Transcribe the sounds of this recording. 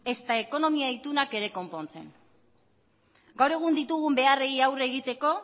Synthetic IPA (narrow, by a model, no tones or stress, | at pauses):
e̞st̪ae̞ko̞no̞miait̪unake̞ɾe̞ko̞mpo̞nt͡se̞̰n | ɡawɾe̞ɣ̞und̪it̪uɣumbe̞areiawre̞ɣit̪e̞ko̞